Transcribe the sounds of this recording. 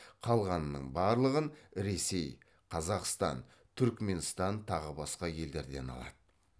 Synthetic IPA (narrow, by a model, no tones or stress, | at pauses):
qʰɑlˠʁɑnːə̰ɴbɑɾlˠəʁənɾe̞se̞j | qʰɑzɑqst̪ɑ̰n | t̪ʰʏɾkme̞nst̪ɑnt̪ʰɑʁəbɑsqɑje̞ld̪e̞ɾd̪e̞̰nɑ̰lˠɑ̰d̪̥ə